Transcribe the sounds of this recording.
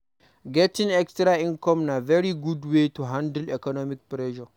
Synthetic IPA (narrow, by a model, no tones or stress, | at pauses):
ɡɛtɪ̃ŋɛkstɾaʔɪŋkɔmnavɛɾiɡudwetuɦãndulɛkɔnɔmɪk̚pɾɛʃɔ